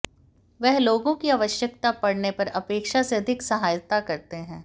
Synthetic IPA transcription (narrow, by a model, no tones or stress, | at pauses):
ʋɛɦloːɡõkiaʋəʃjək̚t̪apɐɽnepɐɾɐpeːkʃaseɐd̪ʱɪksɐɦaːjət̪akɐɾt̪eɦɛ̃ː